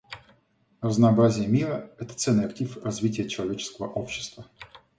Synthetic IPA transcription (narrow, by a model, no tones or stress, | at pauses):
rəznɐːbɾazʲɪjəmʲiɾəɛt̪ə̥t̪sɛlnːɨjɐk̚tʲifrɐzvʲitʲɪjət͡ɕɪlˠɐvʲet͡ɕɪ̥skəvə̰ʔo̞pɕːɪ̥st̪və